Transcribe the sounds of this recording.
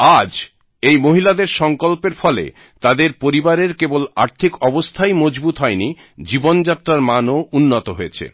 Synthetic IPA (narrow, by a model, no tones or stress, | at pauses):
ad͡ʑ | ejmoɦilad̪eɾʃɔŋkolpeɾfɔlḛ | t̪ad̪eɾpoɾibaɾeɾkebola̰ɾt̪ʰikɔbost̪ʰajmod͡ʑbut̪ɦɔeni | d͡ʑibond͡ʑat̪ːɾaɾmanounːot̪oɦoet͡ɕʰḛ